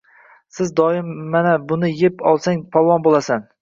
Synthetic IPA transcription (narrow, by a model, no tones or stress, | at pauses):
sɪzd̪ɒɪmːanabʊnɪjepʰɒlˠsaŋpʰɒlˠɒnbolˠasan